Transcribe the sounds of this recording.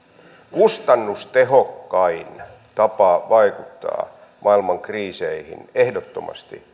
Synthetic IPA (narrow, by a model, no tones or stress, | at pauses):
kust̪ɑnːust̪eɦokːɑin | t̪ɑpɑʋɑikut̪ːɑ̰ː | mʔɑilmɑŋkriːseihḭnehdot̪ːomʔɑ̰st̪ḭ